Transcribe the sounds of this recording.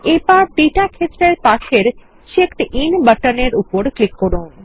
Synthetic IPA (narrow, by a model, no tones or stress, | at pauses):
epaɾd̪iʈakʰet̪ːɾeɾpaʃeɾ | ʃekt̪ʔinbəʈəneɾupoɾklikːoɾun